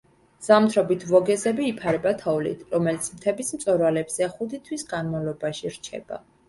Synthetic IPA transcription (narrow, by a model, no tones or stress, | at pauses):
z̥amt̪ʰɾɔbit̪ʰvɔɡɛzɛbiːpʰaɾɛbat̪ʰɔvlḭt̪ʰɾɔmɛlit̪sʰmt̪ʰɛbismt̪sʼɔɾvalɛbz̥ɛχud̪it̪ʰwisɡanmavlɔbaʃiɾt͡ʃʰɛ̰b̥a̰